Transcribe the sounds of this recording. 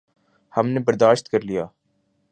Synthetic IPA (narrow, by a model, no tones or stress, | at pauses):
hɐmnebɐɾd̪aːʃt̪kɐɾlijaː